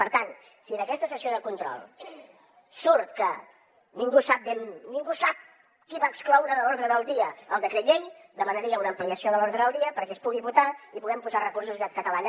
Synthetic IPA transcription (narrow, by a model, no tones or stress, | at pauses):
pəɾt̪an | siənəkɛst̪əsəsioðəkunt̪ɾɔ̰lˠ | suɾt̪kə | niŋɡusap̚bɛmniŋɡusap̚ | kiβaːksklɔwɾəðəlɔɾðɾəðəlˠd̪iəəlˠd̪əkɾet̪ʎeʎd̪əmənəɾiəunəmpliəsioðəlɔɾðɾəðəlˠd̪iəpəɾkɛspuɣiβut̪aipuɣɛmpuzarəkurs̬uzit̪at̪kət̪əlanə